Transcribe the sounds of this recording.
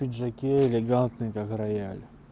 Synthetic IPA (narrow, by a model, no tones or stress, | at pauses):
idʲʐɐkʲeɪlʲɪɡant̪nɨjkakrɐja̰lʲ